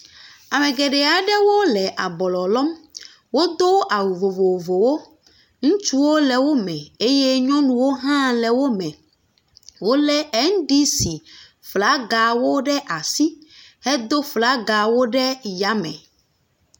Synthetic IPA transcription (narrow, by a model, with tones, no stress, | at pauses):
a˨mɛ̃˨ɡɛ˨ɖɛ˨a˨ɖɛ˦wo˦lɛ˨ʔa˨bɔ˨lɔ˨lɔ˦m | wo˦d̪o˦ʔa˨wu˨vo˨vo˨vo˨wo˦ | ŋũ˦t͡ʃu˦wo˦lɛ˨wo˦mɛ̃˨e˦je˦ɲɔ̃˦nũ˨wo˦ɦã˦lɛ˨wo˦mɛ̃˨ | wo˦lɛ˦ɛ˦ŋ̩˦ɖi˦si˨ | fla˦ɡa˨wo˦ɖɛ˦ʔa˨si˦hɛ˦d̪o˦fla˨˦ɡa˨wo˦ɖɛ˦ja˦mɛ̰̃˨